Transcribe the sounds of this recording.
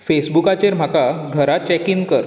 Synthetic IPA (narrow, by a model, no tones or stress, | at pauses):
fesbukat͡ɕeɾm̤akaɡʱəɾat͡ɕɛkinkəɾ